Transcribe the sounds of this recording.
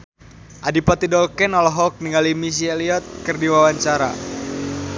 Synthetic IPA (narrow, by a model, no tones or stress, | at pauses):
ʔadipat̪idɔlkɛnɔlɔɦɔk̚niŋalimis̬ialiɔt̪̚kərdiwawaɲt͡ʃaɾa̰